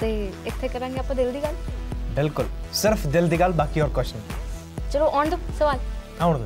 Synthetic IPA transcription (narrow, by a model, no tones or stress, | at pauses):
t̪eɪt̪ʰːekɐɾãːŋɡeaːpːə̃d̪eld̪iːɡaːlbɪlkʊlsɪɾfd̪eld̪iɡaːlbaːkiɔːɾkɔʃən | t͡ʃɐloʔɔːɳd̪usɐʋaːlãʋɳd̪